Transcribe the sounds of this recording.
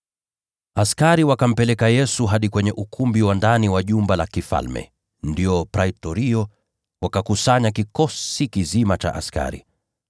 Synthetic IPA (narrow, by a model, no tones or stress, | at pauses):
askaɾiwakam̩pɛlɛkajɛsuɦaɗikwɛɲɛʔukʰumbiwandaniwaʄumbalakifa̰lmɛ̰ | ndiɔpɾaitɔɾiɔ | wakakusaɲakikɔsikizimat͡ʃa̰ʔa̰ska̰ɾḭ